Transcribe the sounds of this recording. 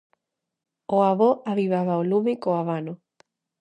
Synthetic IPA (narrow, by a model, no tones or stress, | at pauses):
oaβoʔaβiβaβaolumekoaβano